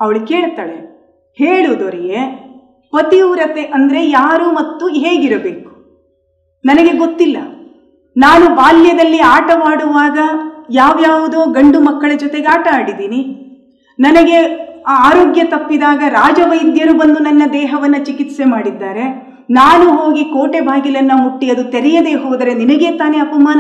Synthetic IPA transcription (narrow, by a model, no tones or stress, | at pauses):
ɐʋɐɭuke̞ːɭt̪aːɭe | heːɭuʋd̪oɾiɡe | pɐt̪iuɾɐt̪eʔɐnd̪ɐɾe̞jaːɾumɐt̪ːuɦeːɡiɾɐbe̞ːku̥ | nɐnɐɡe̞ɡot̪ːilːɐ | naːnubaːljɐd̪ɐlːiaːʈɐmaːɽuʋaːɡɐjaːʋjaːʋud̪oːɡɐɳɖumɐkːɐɭɐd͡ʒɔt̪e̞ɡeaːʈɐaːɽid̪iːni | nɐnɐɡe̞aːɾoːɡjɐt̪ɐpːid̪aːɡɐɾaːd͡ʒɐʋɐjd̪jɐɾubɐnd̪unɐnːɐd̪ɛːɦɐʋɐnːɐt͡ʃikit̪semaːɽid̪ːaːɾe̞ | naːnuɦo̞ːɡikoːʈebʱaːɡilɐnːɐmuʈːiɐd̪ut̪eɾɛjɐd̪e̞ːɦoːd̪ɐɾe̞ninɐɡe̞ːt̪aːneɐpɐmaːn